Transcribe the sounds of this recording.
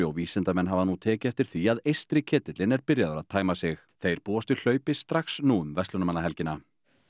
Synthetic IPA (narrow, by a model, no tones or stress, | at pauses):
ɔwviːsɛnt̪amɛnːɦavanuːt̪ʰɛːcɪɛft̪ɪɾ̥θiaðejst̪ɾɪcʰɛːt̪ɪt̪lɪnɛɾpɪɾjaðʏɾaðt̪ʰaːjmasɪx | θejɾ̥puːast̪ʏl̥œːɥpɪst̪ɾaxsnuːʏmvɛst̪lʏnamanːaɦɛlcɪna